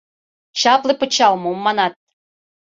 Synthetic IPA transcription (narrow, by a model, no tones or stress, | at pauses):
t͡ɕɑplˠepə̆t͡ɕɑlmoumːɑnɑt̪̚